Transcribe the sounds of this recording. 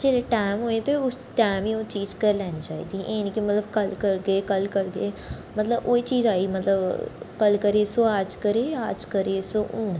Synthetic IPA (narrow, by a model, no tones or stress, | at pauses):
d͡ʒeːleʈɛːmɦoːet̪eʊsʈɛːmiːõːt͡ʃiːzkəɾlɛːñiːt͡ʃaːḭːd̪iːʔeːnkimət̪ləbkəlkəɾɡeːkəlkəɾɡḛː | mət̪ləbo̰ːiːt͡ʃiːzaːiːmət̪ləbkəlkəɾeːsoːaːd͡ʒkəɾeːaːd͡ʒkəɾeːsoːʊ̰n